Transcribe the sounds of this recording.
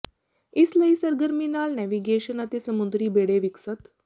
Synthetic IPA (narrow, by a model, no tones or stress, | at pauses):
isləisəɾɡəɾminalnɛʋiɡeɕənət̪esəmud̪ɾiːbeɽeʋiksət̪